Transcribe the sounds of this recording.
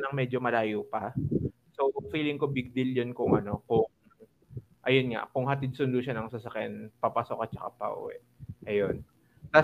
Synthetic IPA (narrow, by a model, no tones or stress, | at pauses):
nɐŋmɛd͡ʒomɐlaːjopɐ | so̞wfiːlɪŋko̞bɪɡ̚d̪ɪljonkʊŋʔɐno̞kʊŋ | ʔɐjonŋa̰ʔkʊŋɦɐt̪ɪd̪̚sʊnd̪uʃanɐŋsɐsɐkjanpɐpaːsokat͡ʃɐka̰pɐ̰ʔṵwɛ̰ʔʔɐjon | t̪a